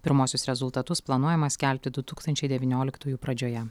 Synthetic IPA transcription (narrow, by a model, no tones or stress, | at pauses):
pʲɪɾmuɔsʲʊsɾʲɛzʊlˠt̪ɐt̪ʊsplˠɐnuɔjɛmɐsʲkʲɛlʲpʲt̪ʲɪd̪ʊt̪uːkst̪ɐnʲt͡ʃʲɛɪd̪ʲɛʋʲinʲoːlʲɪkt̪uːjuːpɾɐd͡ʒʲoːjɛ